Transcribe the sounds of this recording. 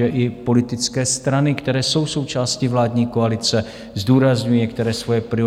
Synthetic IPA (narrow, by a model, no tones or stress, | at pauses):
ɛʔɪpo̞lɪt̪ɪt͡skɛːst̪ɾanɪkt̪ɛɾɛːso̞wso̞wt͡ʃaːscɪvlaːd̪ɲiːkoalɪt͡sɛ | zd̪uːɾazɲujiɲɛk̚t̪ɛɾɛːsvo̞jɛpɾɪo